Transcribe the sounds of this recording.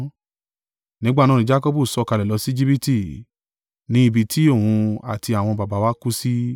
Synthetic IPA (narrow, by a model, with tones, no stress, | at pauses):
nĩ˨˦ɡ͡ba˦˨nã˦˨nĩ˧˦d͡ʒa˦kɔ˦bu˦˨sɔ˨˦˨ka˧lɛ˨lɔ˨˧˦si˦d͡ʒi˦pi˦ti˦˨ | nĩ˨˦i˧˨bi˧tʰi˦o˦˨hũ˧a̰˨ti˧a˨w̃ɔ̃˧ba˨ba˨˦wa˦ku˦si˦